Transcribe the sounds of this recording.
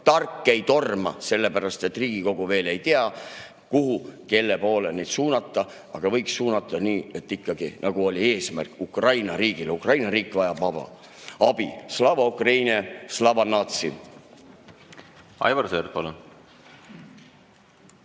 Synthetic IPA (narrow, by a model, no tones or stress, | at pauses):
t̪ɑrkˑːe̞jt̪o̞rmɑ̰se̞lːe̞pæɾɑst̪e̞t̪ːˑriːɡ̥iko̞ɡ̥uve̞ːle̞jt̪eɑ | kuhuke̞lːe̞po̞ːlenejd̪̥suːnɑt̪ˑːɑ | ɑɡ̥ɑvɤ̞jkssuːnɑt̪ːˑɑniːe̞t̪ːˑikːɑɡ̥inʔɑɡuo̞lʲie̞ːsmæ̰rkukrɑjnɑɾiːɡ̥ileukrɑjnɑɾiːkˑvɑjɑb̥ɑb̥ɑ̰ | ɑb̥islɑvɑukrɑjnieslɑvɑnːɑt̪sḭ | ɑ̰jvɑrserd̪̚pɑlun